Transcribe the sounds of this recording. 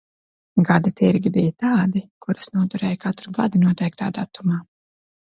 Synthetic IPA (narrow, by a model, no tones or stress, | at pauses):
ɡad̪at̪iɾɡʲibijat̪aːd̪ikuɾasnuɔt̪uɾɛːjkat̪ɾuɡad̪inuɔt̪ɛjk̚t̪a̰ːd̪at̪umaː